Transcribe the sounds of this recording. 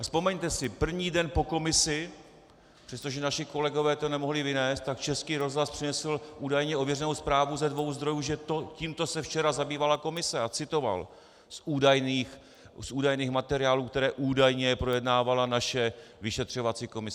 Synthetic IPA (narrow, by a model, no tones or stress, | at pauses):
aspo̞mɛɲt̪ɛsɪpr̩vɲiːdɛnpo̞ko̞mɪsɪ | pr̥ɛst̪oʒɛnaʃɪko̞lɛɡo̞vɛːt̪o̞nɛmo̞ɦlɪvɪnɛːst̪t̪ːakt͡ʃɛskiːɾo̞zɦlaspr̥ɪnɛsl̩ʔuːdajɲɛʔovjɛrɛnowspɾaːvuzɛdvo̞wzd̪ɾo̞juːʒɛt̪ociːmt̪o̞sɛft͡ʃɛɾazabiːvalako̞mɪsɛat͡sɪt̪o̞va̰l | suːdajniːx | sʔuːdajniːxmat̪ɛɾɪaːluːkt̪ɛɾɛːʔuːdajɲɛpɾo̞jɛdnaːvalanaʃɛvɪʃɛt̪r̝̥o̞vat͡siko̞mɪs